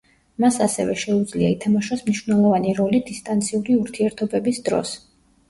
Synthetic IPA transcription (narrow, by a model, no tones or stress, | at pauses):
masasɛ̰vɛʃɛud̪zliait̪ʰamɔʃɔsmniʃwvnɛlˠɔvaniɾɔlid̪ist̪ʼant̪sʰiuɾiuɾt̪ʰiɛɾt̪ʰɔbɛbisd̪ɾɔ̰s